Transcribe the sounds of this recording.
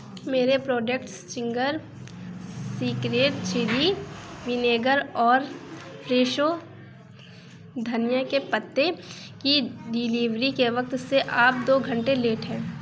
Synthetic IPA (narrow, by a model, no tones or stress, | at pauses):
meːɾepɾoːd͡ʒekʈst͡ʃɪ̃ŋɡəɾ | siːkɾeːʈt͡ʃʰɪɾiʋɪneːɡəɾɔːɾpɾeːʃo | d̪ʱɐnjəkepət̪ːe | kiɖɪliːʋɾikeʋɐk̚t̪seʔaːp̚d̪oːɡʱɐ̃ɳʈeleːʈɦɛ̃ː